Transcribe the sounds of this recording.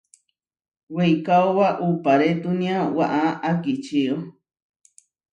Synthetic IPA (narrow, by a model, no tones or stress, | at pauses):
wejkaowaʔupaɾet̪unĩãwaʔaakit͡ʃio